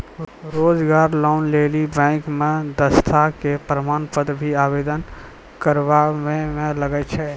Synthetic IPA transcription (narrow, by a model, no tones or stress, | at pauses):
ɾoːd͡ʒɡaːɾlɔːnleːlibɛ̃ːŋkmẽd̪əst̪ʰakepɾəmaːnpəd̪bʱiaːʋeːd̪ən | kəɾʋamẽmẽləɡət͡ʃʰɛː